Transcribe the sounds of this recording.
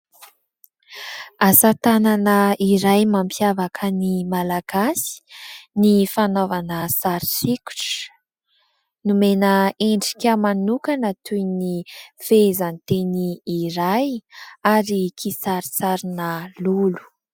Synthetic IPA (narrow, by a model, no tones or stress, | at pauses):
asat̪ananaiɾajmampjavakʰənimalaɡasi̥nifanovanəsaɾisiku̥ʈ͡ʂ | numenəeɳɖ͡ʐi̥kʲəmanukanət̪ʰujnifezanit̪eniːɾajaɾikʰisaɾisaɾinəlulu̥